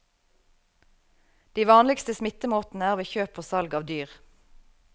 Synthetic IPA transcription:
d̪̥iːʋɑːnlɪɡst̪əsmɪt̪əmoːt̪n̩əæːʁʋeːçøːpʰoːsɑlɡɑːʋd̪yːʁ

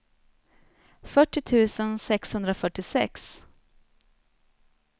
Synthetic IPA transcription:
fœʈːɪt̪ʰʉ̟ːsənsɛkshɵnd̪ɾafœʈːɪsɛ̰ks

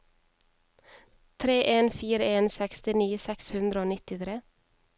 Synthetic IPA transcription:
t̪ʰɾeːʔeːnfiːɾəeːnsɛkst̪ɪniːsɛkshʉnd̪ɾəoːnɪt̪ɪt̪ʰɾeː

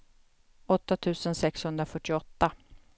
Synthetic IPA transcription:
ɔt̪ːat̪ʰʉ̟ːsənsɛkshɵnd̪ɾafœʈːɪɔt̪ːa

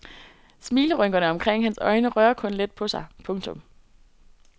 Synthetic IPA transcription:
smiːləʁœŋ̰ɡ̥ɐnəɒ̽mkʰʁeŋ̰hænsɒ̽ɪnəʁɶːɐkʰɔ̽nle̝d̥̚pʰɒ̽sɑ̈ɪpʰɔ̽ŋt͡sʰɔ̽m

